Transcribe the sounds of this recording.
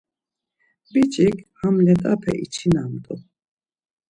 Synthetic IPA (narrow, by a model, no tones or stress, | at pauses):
bit͡ʃʼikhamlɛt̪ʼapʰɛ̰ʔit͡ʃʰinamt̪ʼṵ